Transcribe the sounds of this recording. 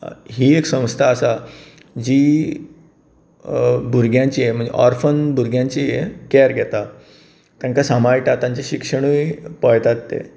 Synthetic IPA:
ɦiːeksə̃w̃st̪ʰaːsa | d͡ʑiː | bʱuɾɡʱjãɲt͡ɕiem̤əɳd͡zḛʔɔ̰ɾfənbʱuɾɡjãɲt͡ɕiekɛɾɡʱɛt̪a | t̪jãŋkasamaɾʈat̪ãɲt͡ɕeɕikʂəɽ̃ujpɔjt̪at̪ːḛ

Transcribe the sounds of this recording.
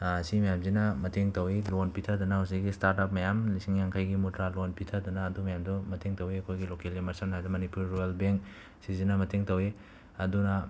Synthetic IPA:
simɐjamzinɐmɐtʰeŋtɐwilonpitʰɐdɐnausiɡistaɾtap̚mɐjamlisiŋjaŋkʰajɡimutɾalonpitʰadɐnɐːdumɐjamdumɐtʰeŋtɐwiɐkʰojɡilokelimɐɾsanajdɐmɐnipuɾːujelbeŋk̚ | sizinɐmɐtʰeŋtɐwi | ɐdunɐ

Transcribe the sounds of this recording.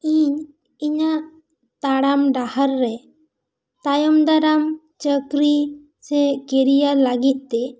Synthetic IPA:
iɲ | iɲaʔ | t̪aɽamɖahaɾːɛ | t̪ajɔmd̪aɾam | t͡ʃəkɾi | sɛkɛɾijaləɡit̪̚ˀt̪ɛ

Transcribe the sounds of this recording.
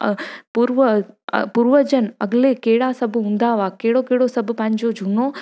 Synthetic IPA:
puɾʋəpuɾʋəd͡ʒənɐɡlekeːɽaːsɐbʱɦũnd̪aːʋaːkeːɽokeːɽoːsɐbpãːɲd͡ʒod͡ʒunoː

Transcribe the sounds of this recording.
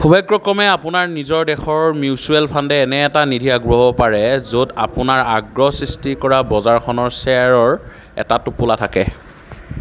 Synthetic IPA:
xubʱaɡɹɔkɹɔmɛapʊnaɹnizɔɹdɛxɔɹmjiʊsuɛlpʰandɛːnɛːtanidʱiaɡɹoɦɔpaɹɛzodapʊnaɹaɡɹɔsɹistikɔɹabɔzaɹxʰɔnɔɹsɛaɹɔɹ | ɛ̰tatupʊlatʰakɛ

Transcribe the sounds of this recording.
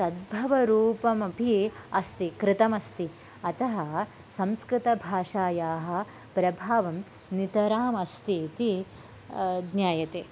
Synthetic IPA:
sɐd̪̚bʱɐʋɐɾuːpɐmɐpiɐst̪ikɾɪt̪ɐmɐst̪i | ɐt̪ɐɦɐ | sɐmskɾɪt̪ɐbʱaːʂaːjaːɦɐ̆ | pɾɐbʱaːʋɐm | nit̪ɐɾaːmɐst̪iːt̪i | ɡ̪njaːjɐt̪eː

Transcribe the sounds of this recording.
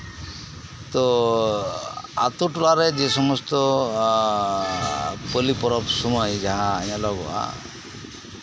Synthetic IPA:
t̪ɔ | a̰t̪uʈlaɾed͡ʒesɔmɔst̪ɔ | pəlipɔɾɔpsɔmɔjd͡ʒaɦaːɲalɔɡɔa̰

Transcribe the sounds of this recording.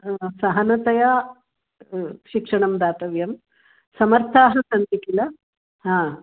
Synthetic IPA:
sɐɦɐnɐt̪ɐja | ʃikʂɐɳɐmd̪aːt̪ɐʋjɐm | sɐmɐɾt̪ʰaːɦɐsɐnd̪ikilɐ | ɦãː

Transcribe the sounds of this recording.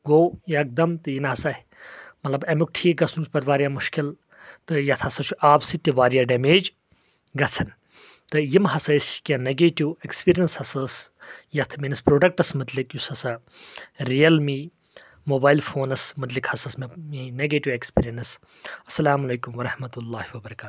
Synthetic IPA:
ɡoːjɐk̚d̪ɐmt̪ɨjinɐɦɐsɐh | mɐt̪lɐbɐmuk̚ʈʰiːkɡɐsuːsbɐɾʋaːɾʲijaːmuʃkil | t̪ɨjɐt̪ʰɐsɐt͡ʃʰuʔaːbsit̪ːiʋaːɾijaːɖɐmeːd͡ʒ | ɡɐt͡sʰɐn | t̪ɨjimɦɐsɐiskãneɡeːʈiwekspiːɾijɐnshɐsɐsjɐt̪ʰminɐspɾoːɖɐk̚ʈɐsmɨt̪likjusɐsɐ | ɾijɐlmi | moːbaːjlfʰoːnɐsmɐt̪̬likhɐsɐsmijĩineɡeːʈiʋekspiːɾijɐnɐs | ɐsːɐlaːmɐleːkumʋɐɾɐhmɐt̪ulːaːhiwɐbɐɾɐkaːt̪

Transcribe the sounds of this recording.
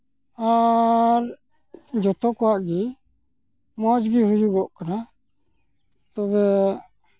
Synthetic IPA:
aɾ | d͡ʒɔt̪ɔkɔaʔɡi | mɔd͡ʒɡiɦud͡ʒuɡɔʔkana | t̪ɔbɛ

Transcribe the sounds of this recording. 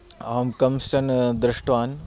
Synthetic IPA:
ɐmkɐmst͡ʃɐnd̪ɾɪʂʈʋaːn

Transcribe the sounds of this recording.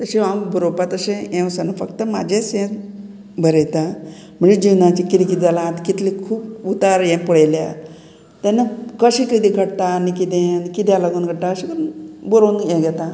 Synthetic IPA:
t̪əɕiambʱuɾopat̪əɕẽẽwsənəfəkt̪əma̰d͡ʑʱesjẽ | bʱəɾet̪a | m̤əɳd͡ʑed͡ʑiwnãt͡ɕikiɾikid͡zalãt̪kit̪likʰuːp̚ut̪aɾjɛ̃pəɽajlja | t̪anəkəɕĩkid̪ĩɡʱəɽt̪anikit̪enikit̪jalaɡənɡʱəɽt̪aəɕĩkəɾunboɾownɛ̃ɡɛt̪a

